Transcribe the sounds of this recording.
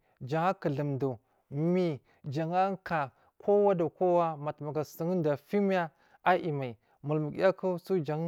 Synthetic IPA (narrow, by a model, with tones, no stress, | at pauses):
d͡ʒa˨ŋa˦kə˨ɮə˨mdu˨ | mi˨ | d͡ʒa˨ŋa˦ŋ˦ka˨ | kʰo˦wa˦do˨ko˦wa˦ma˨tma˨ɡa˨sə˨ŋ˦n˦da˨fi˦m˦a˦ | a˦ʔi˨ma˨i˨ | mu˨lmə˨ɡ̰ja˦ku˦su˦d͡ʒa˨ŋ˦